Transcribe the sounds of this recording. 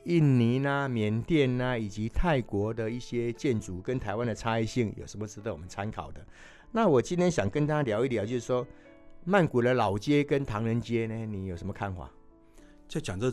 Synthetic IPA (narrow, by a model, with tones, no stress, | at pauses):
i˥˩nni˧˥na˧mjɛ˧˦nt̪jɛ˥˩nna˧i˨˩t͡ɕi˨˧˦t̪ʰa˥˩ɪkwɔ˨˧˥d̪ə˨i˥˩ɕjɛ˦t͡ɕjɛ˥˩nt͡su˨˩kə˦nt̪ʰa˧˦ɪwa˦nd̪ə˨t͡sʰa˦i˥˧ɕi˥˩ŋjo˨˩ʊʂə˧˥nmɔ˧t͡sɻ̩˥t̪wɔ˨˩mə˦nt͡sʰa˥˦nkʰɑ˨˩ʊd̪ə˦ | na˥˨wɔ˨˩t͡ɕi˥nt̪ʰjɛ˥nɕjɑ˨˩ŋkə˦˥nt̪ʰa˦ljɑ˧˥ʊi˥˩t̪jɑ˨˩t͡ɕjo˥˧ʊʂ̩˥˩ʂwɔ˥ | ma˥˩nku˨˩lə˧˦lɑ˨˩ʊt͡ɕjɛ˦kə˦˥nt̪ʰɑ˧˥ŋɻə˧˦nt͡ɕjɛ˥ne˧ni˨˩jo˨˩ʊʂə˧˦mə˧kʰa˥˨nxwa̰˨˩˦ | t͡ɕo˥˩t͡ɕjɑ˨˩ŋt͡sə˥˧